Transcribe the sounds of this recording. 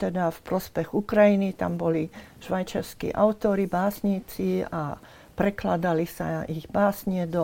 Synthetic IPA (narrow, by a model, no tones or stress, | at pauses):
t̪ɛd̪afpɾɔspɛɣukɾajinit̪a̰mbɔliʃʋajt͡ʃaɾskḭːʔa̰ʊt̪ɔɾibaːsɲiːt͡sia̰ | pɾɛklad̪alisa̰iɣbaːsɲɪɛd̪ɔ